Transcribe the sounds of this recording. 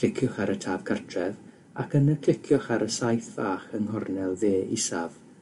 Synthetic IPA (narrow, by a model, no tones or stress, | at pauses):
ɪkʰjɔχaɾətʰaːv̥kʰartʰrɛv | akʰənəkʰl̥ɪkʰjɔχaɾəsajθv̥aːχənɦɔrnɛlˠðeːisav